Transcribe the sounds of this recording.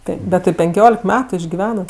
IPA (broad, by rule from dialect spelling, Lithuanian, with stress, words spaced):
ˈtɐɪp bʲɛt tʲɪ pʲɛŋʲˈkʲoːlʲɛk ˈmʲæːtʊ ɪʒʲɡʲɪˈʋʲæːnɐt